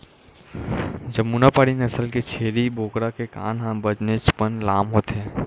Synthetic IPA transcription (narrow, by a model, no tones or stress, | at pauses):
d͡ʒəmuːnapaːɽinɐsəlket͡ʃʰeːɾiboːkɽakeka̰ːnɦãbəd͡ʒnet͡ʃpənlaːmɦoːt̪ɦɛ̃ː